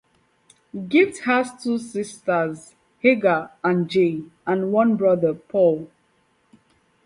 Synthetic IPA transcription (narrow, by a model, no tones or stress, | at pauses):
ɡifthastʰusistəz | heɡəãnd͡ʒẽãnwʌ̃nbɹʌðəpʰɔl